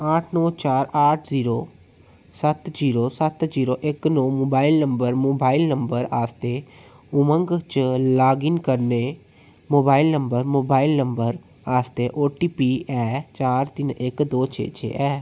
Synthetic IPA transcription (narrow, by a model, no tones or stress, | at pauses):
aːʈʰnɔ̃ːt͡ʃaːɾaːʈʰziːɾoː | sət̪ziːɾoːsət̪ziːɾoːʔɪknɔːmoːbaːɪlnəmbəɾmoːbaːɪlnəmbəɾaːst̪eː | ʊmə̃ŋɡt͡ʃlaːɡɪnkəɾneː | moːbaːɪilnəmbəɾmoːbaːilnəmbəɾ | aːst̪eːʔoːʈiːpiːʔɛːt͡ʃaːɾt̪ɪnʔɪkd̪oːt͡ʃʰḛːt͡ʃʰḛːʔɛː